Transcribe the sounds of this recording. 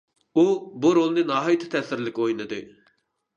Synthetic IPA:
ubuɾolˠnɨnɑːɦɑjit̪ʰɪ̥t̪ʰɛsɪɾlɪkʲojnɨd̪ɨ̰

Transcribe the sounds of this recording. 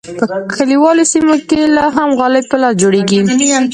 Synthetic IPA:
pəkʰəliwɑlosimokelɑɦamɣɑlɪb̚pəlɑsd͡ʒoɽeɡinia

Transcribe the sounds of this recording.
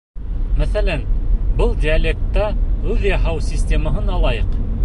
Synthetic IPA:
mæθælænbɤlˠdʲiɐlʲek̚t̪ːɑʉðjɑɦɑwsʲisʲtʲe̞məɦɤnɑlˠɑjɤq

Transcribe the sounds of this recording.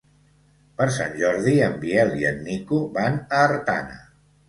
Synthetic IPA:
pəɾsa̰nʲʒɔɾðiəmbiɛlˠiənːikuβanəːɾt̪a̰nə̰

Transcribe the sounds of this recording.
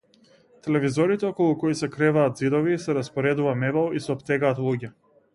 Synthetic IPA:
t̪ɛlɛvizɔɾit̪ɛɔkɔlˠukɔisɛkɾɛvaːt̪zid̪ɔvisɛɾaspɔɾɛd̪uvamɛvalˠisɛɔpt̪ɛɡaːt̪lˠuɟɛ

